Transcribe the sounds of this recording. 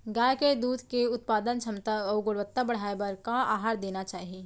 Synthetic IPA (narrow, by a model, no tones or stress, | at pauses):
ɡaːjked̪uːd̪ʱkeʊt̪̚paːd̪ənt͡ʃʰɐmt̪aɡʊɽʋət̪ːabɐɽ̤aːebɐɾkaaːɦaːɾd̪eːnat͡ʃaːɦieː